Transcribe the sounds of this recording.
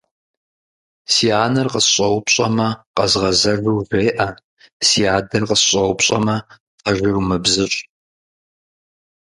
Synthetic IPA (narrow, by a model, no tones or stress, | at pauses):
siːaːnɐrqəsɕʼɐwpɕʼɐmɐqɐzʁɐzɐʒʷuːvʷeːʔɐ | siːaːdɐrqəsɕʼɐwpɕʼɐmɐ | tʰɐʒʷʊrmɨbzɨɕʼ